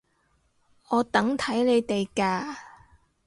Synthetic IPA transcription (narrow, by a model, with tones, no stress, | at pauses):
ʔɔː˨˧t̪ɐ˨˥ŋt̪ʰɐ˨˥jle˨˧jt̪e˨jkaː˧